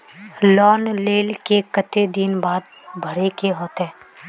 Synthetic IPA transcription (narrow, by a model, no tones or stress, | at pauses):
lɔːnleːlkekət̪ed̪ɪnbaːd̪̚ | bʱəɾekeɦoːt̪ɦɛː